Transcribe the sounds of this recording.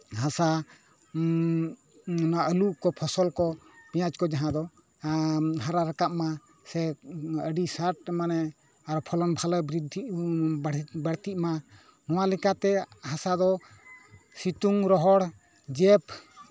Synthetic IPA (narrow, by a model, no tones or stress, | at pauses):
hasa | naʔəluʔkɔpʰɔsɔlkɔpɛjat͡ʃkɔd͡ʒaɦãd̪ɔ | ɦaɾaɾakap̚ma | sɛəɖisaɾʈ̚manɛ | aɾɔpʰɔlɔnbʱalɔbɾid̪ʱibɽbaɽt̪iʔ̪̚ma | nɔwalɛkat̪ɛhasad̪ɔ | sit̪uŋɾɔɦɔɽ | d͡ʒɛp